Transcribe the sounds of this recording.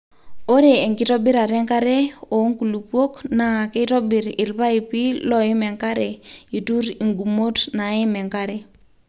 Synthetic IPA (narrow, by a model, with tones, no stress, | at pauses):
o˦ɾe˨e˨ŋki˦tɔ˦bi˦ɾa˨ɾɛ˦ŋka˦ɾɛ˦o˨˦ŋku˨lu˨pwo˦kna˨ki˦tɔ˦bi˨ɾɪ˨lpa˦i˨pi˦lɔ˦i˦mɛ˨ŋka˦ɾɛ˨i˨tu˦ɾi˨ŋɡu˨mo˦tna˨i˦mɛ˨ŋka˦ɾɛ˦